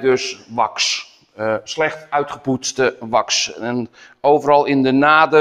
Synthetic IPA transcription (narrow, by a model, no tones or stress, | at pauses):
døsʋɑks | slɛxtœɥtχəputstəʋɑksɛn | oːvəɾɑlˠɪndənaːdə